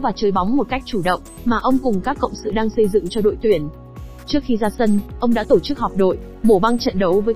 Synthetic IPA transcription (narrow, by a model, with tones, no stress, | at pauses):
vaː˨˩t͡ɕəː˨˦jɓa˨˦wŋ͡mmo˨˩t̚ka˦˥jk̟̚t͡ɕu˧˩ɗə̰˧˨wŋ͡m | maː˨˩ʔə˧wŋ͡mkʊ˨˩ŋ͡mkaː˦˥kːə̰˧˨wŋ͡msɨ̰˧˨ɗaː˧ŋsə˧jzɨ̰˧˨ŋt͡ɕɔ˧ɗo̰˧˨jt̪wi˧˩ən | t͡ɕɨ˦˥ək̚xi˧zaː˧sə˧nʔə˧wŋ͡mɗa̰ː˧˥t̪o˧˩t͡ɕɨ˦˥k̚hɔ˨˩k͡p̚ɗo̰˧˨j | mo˧˩va˧nt͡ɕə̰˧˨nɗə˨˦wvəː˨˦j